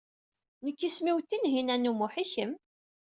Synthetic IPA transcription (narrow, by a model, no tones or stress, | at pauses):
nəkːismiwt̪ːinɦinænumʊħiçəm